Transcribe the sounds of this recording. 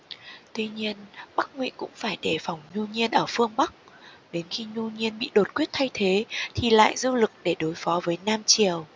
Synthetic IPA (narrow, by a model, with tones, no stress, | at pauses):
t̪wi˧ɲi˧ənɓa˦˥k̚ŋwḭ˧˥kʊ̰˧˥ŋ͡mfaː˧˩jɗe˧˩fa˧˩wŋ͡mɲu˧ɲi˧ənʔəː˧˩fɨ˧əŋɓa˦˥k̚ | ɗe˨˦nxi˧ɲu˧ɲi˧ənɓḭ˧˨ɗo˨˩t̚kwi˦˥ət̚t̪ʰa˧jt̪ʰe˨˦t̪ʰi˨˩la̰ː˧˨jzu˧lɨ˨˩k̚ɗe˧˩ɗo˨˦jfɔ˨˦vəː˨˦jnaː˧mt͡ɕi˨˩əw